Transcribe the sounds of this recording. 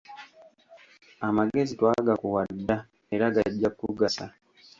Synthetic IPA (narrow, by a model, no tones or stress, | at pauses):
amaɡe̞zitwaɡakuwadːa | eɾaɡaɟːakːuɡasa